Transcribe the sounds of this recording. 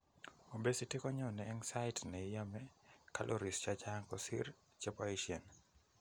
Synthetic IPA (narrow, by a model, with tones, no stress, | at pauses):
o˨be˦si˦te˦kɔ˦ɲɔ˦˨nɛː˨˦ŋsa˦ɪtnɛ˨ja˦mɛ˦ka˦lʔo˦ɾi˨st͡ʃa˦t͡ʃa˦ŋkɔsḭ˦ɾ | t͡ʃe˦pɔ˦iʃjɛ˨n